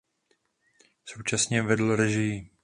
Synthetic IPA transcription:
so̞wt͡ʃasɲɛvɛdl̩ɾɛʒɪji

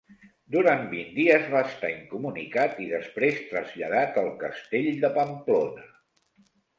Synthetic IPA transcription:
d̪uɾanbind̪iəzβaəst̪aiŋkumunikat̪iðəspɾest̪ɾəzʎəðat̪əlˠkəst̪eʎd̪əpəmplonə

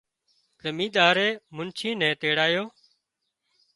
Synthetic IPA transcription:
zəmiːd̪aːɾeːmʊnt͡ʃʰiːnɛ̃ːt̪eːɽaːjoː

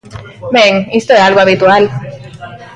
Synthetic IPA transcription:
meŋist̪oealɣoaβit̪ual

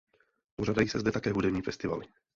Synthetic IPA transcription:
poraːdajiːsɛzdɛt̪akɛːɦudɛvɲiːfɛst̪ɪva̰lɪ

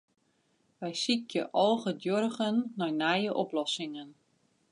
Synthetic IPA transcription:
ʋɛjsikjəʔɔːɣədjɔrɣənːɔjnajəʔɔplɔsɪŋən

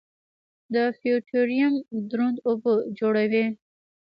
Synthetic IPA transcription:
d̪əfijuʈʰoɾijamd̪ɾond̪obod͡ʒoɽawe

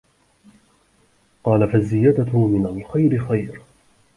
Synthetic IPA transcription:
qɑːlafazːɪjaːd̪aʊmɪnalxajɾɪxajɾ

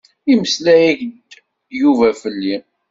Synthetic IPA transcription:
iməslæjiçd̪ | juvæfəlːi

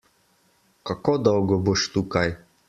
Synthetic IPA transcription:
kakod̪ɔwɡɔboʃt̪ukaj

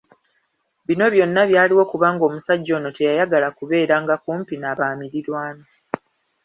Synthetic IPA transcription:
βino̞βjo̞nːaβjaːliwo̞kuβaːŋɡo̞ːmusaɟːo̞ːno̞te̞jajaɡalakuβe̞ːɾaːŋɡakuːmpinaːβaːmiɾiɾwaːno

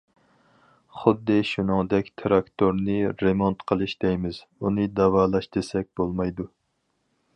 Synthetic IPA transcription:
χʊd̪ːɨʃunɨŋd̪ɛkʲt̪ʰɾɑkt̪ʰoɾnɨɾemont̪qʰəlˠɨʃd̪ɛjmɪz̥ | unɨd̪ɑwɑːlˠɑʃd̪esɛk̚ʲbolˠmɑjd̪u

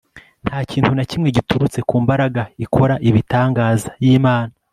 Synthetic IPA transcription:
n̥haːciːn̥thunacimŋe̞ɟituɾut͡se̞kuːmbaɾaɡaikʰo̞ɾaʔiβitaːŋɡaːzajiːmaːna

